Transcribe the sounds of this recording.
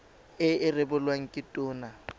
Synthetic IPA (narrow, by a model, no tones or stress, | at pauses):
ɪɪrɪbʊlwaŋ̩kʼɪtʼʊːna